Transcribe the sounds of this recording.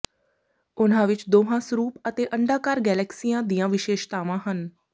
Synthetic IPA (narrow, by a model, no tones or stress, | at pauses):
ʊnãːʋɪt͡ʃd̪oːɦãːsɾuːpət̪eːʔəɳɖaːkaːɾɡɛːlɛːksijãːd̪iːãːʋɪʃeːʃt̪aːʋãːɦən